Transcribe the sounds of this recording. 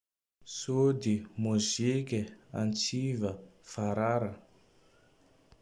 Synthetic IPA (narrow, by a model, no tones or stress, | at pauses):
sod̪imuzekʲəa̰nt͡sivəfaɾaɾə